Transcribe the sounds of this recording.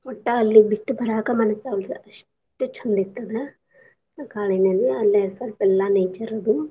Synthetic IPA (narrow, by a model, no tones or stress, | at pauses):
ɔʈːɐːlːibiʈːubʱɐɾaːkɐmɐnɐsɐʋɐɭɐʂ | ʈːut͡ʃʰɐnd̪it̪ːɐd̪ɐ | kaːɭinɐlːiɐlːiɐsɐlpɛlːanejt͡ʃɐɾɐd̪u